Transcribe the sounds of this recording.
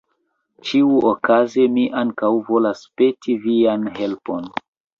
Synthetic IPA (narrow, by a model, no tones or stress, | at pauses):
t͡ʃiuʔokazemiʔaŋkawvo̞laspe̞tʰivianɦe̞lpon